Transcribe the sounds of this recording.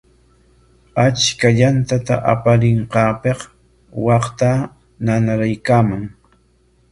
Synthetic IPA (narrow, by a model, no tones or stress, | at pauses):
at͡ʃkaʎant̪at̪a̰ʔa̰paɾɪɴqɑːpeχ | wɑqt̪a | nanaɾajkaːmaŋ